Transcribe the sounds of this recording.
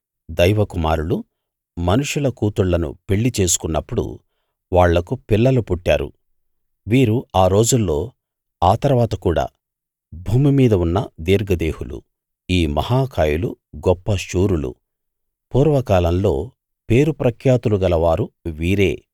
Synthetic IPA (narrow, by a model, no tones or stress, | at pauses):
d̪ɐjʋɐkuma̰ːɾulu | mɐnuʂulɐkuːt̪uɭːɐnṵpe̞ɭːit͡ʃe̞ːsu̥kunːɐpːuɽṵ | ʋaːɭːɐkupilːɐlupuʈːa̰ːɾṵ | ʋiːɾuaːɾo̞ːd͡ʒulːo̞ː | aːt̪ɐɾʋaːt̪ɐkuːɽa̰ː | bʱuːmimiːd̪ɐunːɐd̪iːɾɡɐd̪e̞ːhulṵ | iːmɐ̰haːkʰaːjuluɡɔpːɐʃuːɾulṵ | puːɾʋɐkaːlɐmlo̞ː | pe̞ːɾupɾɐkʰjaːt̪uluɡɐlɐʋaːɾuʋiːɾe̞ː